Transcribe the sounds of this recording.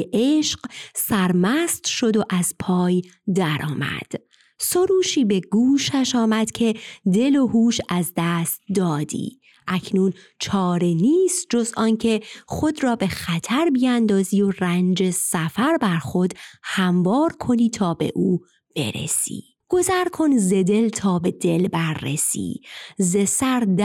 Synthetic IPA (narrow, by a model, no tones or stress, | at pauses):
eʔeʃqsæɾmæst̪ʃo̞d̪o̞ʔæz̥pʰɒːjd̪æɾʔɒ̰ːmæ̰d̪̥ | soɾuːʃiːbe̞ɡuːʃæʃɒːmæd̪̥cʰe̞d̪e̞lo̞huːʃæzd̪æst̪̚d̪ɒːd̪ḭː | ʔæcʰnuːn | t͡ʃʰɒːɾeniːst̪̚d͡ʒo̞zɒːncʰe̞xo̞d̪rɒːbe̞xæt̪ʰæɾbijænd̪ɒːziːorænd͡ʒe̞sæfæɾbæɾxo̞d̪hæmvɒːɾkʰo̞niːt̪ʰɒːbe̞̰ʔuː | b̥e̞̰ɾḛsḭː | ɡ̥o̞zæɾkʰo̞nze̞d̪e̞lt̪ʰɒːbe̞d̪e̞lbæɾːḛsḭːzesæɾd̪